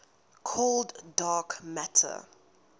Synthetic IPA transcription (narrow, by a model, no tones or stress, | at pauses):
kʰɔlddɑːkmætʰə̰